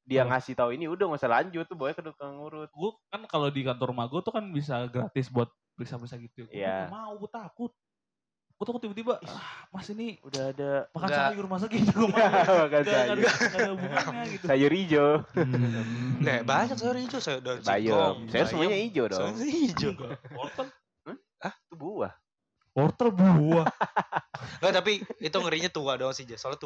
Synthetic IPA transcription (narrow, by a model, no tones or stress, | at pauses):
diaŋasit̪auiniudaŋasəla̰ɲd͡ʒʊt̪ːuboɛkədukəŋuɾʊt̪̚ɡuakankalodikant̪ɔrmaɡot̪ukanbis̬aɡɾat̪ɪsbuat̪̚pɾisapɾisaɡit̪ujamauɡut̪akʊt̪̚ | ɡ̥ut̪akʊt̪ːibat̪ibasamasiniudaadamakasajʊrmasaɡit̪uɡmabakanajaaauaɡit̪usajʊɾid͡ʒo | nɛhbaɲak̚sajʊɾid͡ʒosajdoba̰jɔsajʊrsəmuaɲaid͡ʒodɔŋid͡ʒoɡaɔrt̪əl̩ | əht̪ubua̰h | pɔrt̪əlbuah | ŋɡat̪apiit̪uŋəɾiɲat̪uadɔŋsid͡ʒasolat̪u